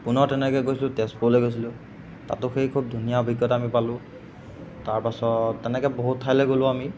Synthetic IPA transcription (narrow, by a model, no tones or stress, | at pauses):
pʊnɔɹtɛnɛkɛɡojsilʊtɛspoleɡojsilʊ̃ | ta̰tʊxejkʰub̚dʱunijaɔbʱiɡjɔtamipalʊ̃ | taɹpasɔtːɛnɛkɛboɦutʰːajlɛɡolʊ̃ami